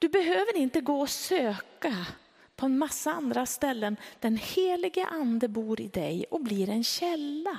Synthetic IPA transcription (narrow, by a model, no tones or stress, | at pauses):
d̪̥ɵbɛɦøːvəɾɪnt̪əɡoːɔsøːka | pʰɔɛnmasːaand̪ɾast̪ɛlːənd̪̥ɛnheːlɪɡə̰ʔand̪əbuːɾɪ̰d̪ɛjɔbliːɾɛnɕɛlːa